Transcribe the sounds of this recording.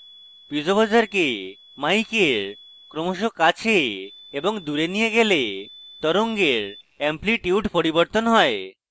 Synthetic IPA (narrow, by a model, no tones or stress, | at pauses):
pid͡ʑobad͡ʑaɾke | majkeɾ | kɾomoʃokat͡ɕʰe | eboŋd̪uɾenijeɡelet̪ɔɾoŋɡeɾ | empliʈiuʈpoɾiboɾt̪onɦɔe